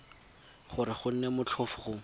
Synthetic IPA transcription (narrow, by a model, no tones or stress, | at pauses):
χʊɾɪχʊn̩nɛmʊt͡ɬʰɔfʊχʊ